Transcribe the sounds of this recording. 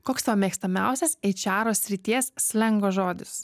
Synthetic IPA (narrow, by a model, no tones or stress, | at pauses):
koːkst̪ɐʋɐmʲiɛkst̪ɐmʲæˑʊsʲɛsɛɪt͡ʃʲæːɾoːsʲɾʲɪt̪ʲiɛssʲlʲɛŋɡoːʒoːd̪ʲɪs